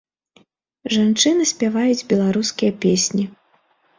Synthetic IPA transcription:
ʐant͡ʂɨnɨsʲpʲavajud͡zʲbʲɛlˠaɾuskʲijɐpʲesʲnʲi

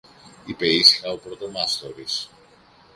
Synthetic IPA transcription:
ipe̞isi̥xɐopɾo̞t̪o̞mɐst̪o̞ɾis

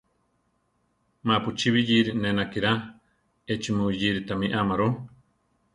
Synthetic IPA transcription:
maput͡ʃiβijiɾinẽnakiɾa | et͡ʃimũjiɾit̪amiʔamaɾu

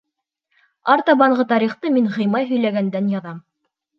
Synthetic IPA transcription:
ɑɾt̪ɑβɑɴɢɤt̪ɑɾiχt̪ɤmiŋʁɤ̆jmɑjɦɵ̆jlæɡænd̪ænjɑðɑm

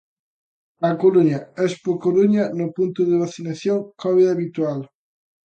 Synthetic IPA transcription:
ɐkoluɲaɛspokoluɲɐnʊpunt̪ʊðɪβ̞aθinaθjoŋkɔβiðaβit̪wal

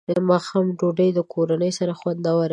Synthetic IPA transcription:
d̪əmɑxɑmɖoɖəjd̪əkʰoɾanəjsaɾaxwand̪awaɾ

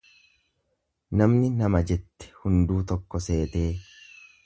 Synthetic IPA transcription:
nɐmnɪnɐmɐd͡ʒɛt̪ːɛ̥hʊnd̪uːt̪ɔkːɔse̞ːt̪e̞ː

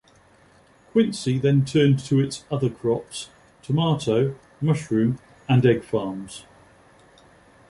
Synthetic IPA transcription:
kʰw̥ɪ̃nsiðə̃ntʰɜːntʰəɪtsʌðəkʰɹ̥ɒps | tʰəmɑˑtʰəʊ | mʌʃɹʉ̃ːm | ə̃nɛɡ̥fɑːmz̥

